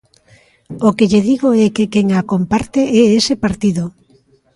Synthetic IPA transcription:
okeʎeðiɣoɛkekeŋakompaɾt̪eɛesepaɾt̪iðo

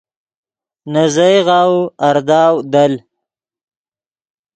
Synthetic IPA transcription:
nazajʁɑːwɐɾd̪ɑːwd̪al

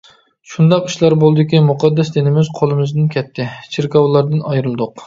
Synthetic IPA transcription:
ʃund̪ɑqi̥ʃlˠɑɾbolˠɨd̪ɪkʲimuqʰɑd̪ːɛsd̪enɪmɪzqʰolˠɨmɪzd̪ɪnkʲʰɛt̪ʰːɪt͡ʃʰeɾkɑwlˠɑɾd̪ɨnɑjɾɨlˠd̪ʊq

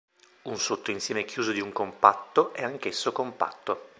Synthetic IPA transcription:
unsot̪ːoinsjɛːmek̟juːzod̪iuŋkompat̪ːoʔɛaŋkesːokompa̰t̪ːo

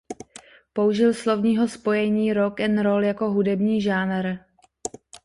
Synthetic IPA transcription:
po̞uʒɪlslo̞vɲiːɦo̞spo̞jɛɲiːɾokɛnɾoljako̞ɦudɛbɲiːʒaːnɾ

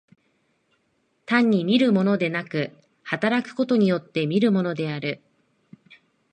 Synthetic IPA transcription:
t̪ãɲ̟ʲːimʲiɾɯ̟mo̞no̞d̪e̞nakɯ̟ | hat̪aɾakɯ̟̥ko̞t̪o̞ɲ̟ijo̞t̪ːe̞mʲiɾɯ̟mo̞no̞d̪e̞aɾɯ̟

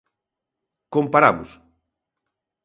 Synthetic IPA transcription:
kompaɾa̰βʊs

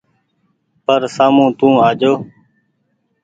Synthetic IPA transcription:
pəɾsaːmũːt̪ũːaːd͡ʒoː

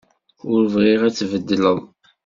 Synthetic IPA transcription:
ʊɾəvʁiʁæt͡sːvəd̪ːələðˤ

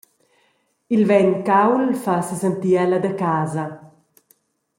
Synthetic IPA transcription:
ilvɛnkawlfasəsənt̪iɛlad̪əkaːza

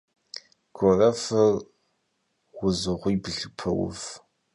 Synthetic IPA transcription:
ɡ̥ʷʰɔrɐfɐr | wʊzɨʁʷʊjbɨɬɨpʷʰɐwʊ̰f

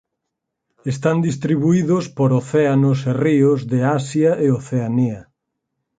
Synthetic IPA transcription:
est̪and̪ist̪ɾiβuiðʊspoɾoθeanoseriozðeasjaʔeoθeania

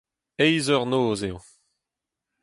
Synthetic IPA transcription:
ɛjzœʁnoːzeo

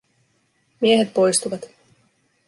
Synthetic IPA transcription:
mieɦet̪̚po̞jst̪uʋɑt̪

